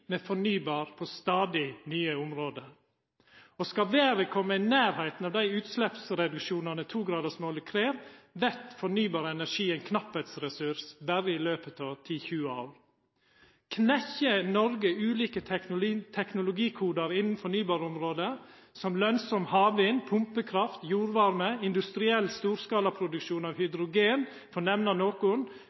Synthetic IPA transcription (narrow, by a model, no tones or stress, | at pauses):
meːfɔɳyːbɑːɾpʰost̪ɑːd̪ɪnyːəʊmɾoːd̪ə | ɔskɑʋeːɾəkʰɔmːəɪnæːɾhæɪt̪n̩ɑːʋd̪æɪʉːt̪slɛpsɾɛd̪ʉkʃuːnɑnət̪ʰuːɡɾɑːd̪əsmoːlɪkʰɾeːʋʋɛt̪fɔɳyːbɑːɾəɛnæʂiːɛɪnkʰnɑpːɛt̪sɾɛsʉɾsbæɾəɪløːpət̪ʰɑʋt̪ʰiːçʉːɑ | kʰnɛçənɔɾɡəʉːliːkət̪ʰɛknʊlʊɡiːkʰuːd̪ɑɾɪnn̩fɔɳyːbɑːɾɔmɾoːd̪ə | sɔmlœnsɔmhɑːʋɪnpʰʊmpəkʰɾɑft̪juːɾʋɑɾməɪnd̪ʉst̪ɾɪɛlːst̪uːɾskɑːlɑpʰɾʊd̪ʉkʃuːnɑːʋhʏd̪ɾʊɡeːn | fɔɳɛʋnɑnoːkʊn